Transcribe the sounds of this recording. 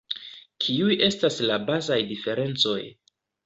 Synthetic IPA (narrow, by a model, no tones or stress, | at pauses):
kʰiujʔe̞staslabazajdife̞ɾe̞nt͡so̞̰j